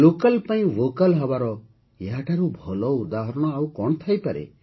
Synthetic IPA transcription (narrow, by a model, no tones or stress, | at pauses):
lokalpaĩʋokalɦɔbaɾɔ | jaʈʰaɾubʱɔlɔud̪aɦɔɾɔɽ̃ɔawkɔɳ̃t̪ʰajpaɾḛ